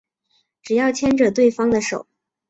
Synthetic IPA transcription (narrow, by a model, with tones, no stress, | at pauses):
ʈ͡ʂɻ̩˨˩jɑ˥˩ʊt͡ɕʰjɛ˥nʈ͡ʂɤ˨˩t̪we˥˩ɪfɑ˥ŋd̪ə˨ʂo˨˩˦ʊ